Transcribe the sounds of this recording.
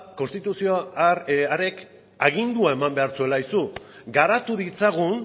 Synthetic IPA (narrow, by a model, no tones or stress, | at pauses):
ko̞nst̪it̪usio | aɾe̞k | aɣind̪uae̞mambe̞aɾt͡sue̞lajsu | ɡaɾat̪uðit͡saɣun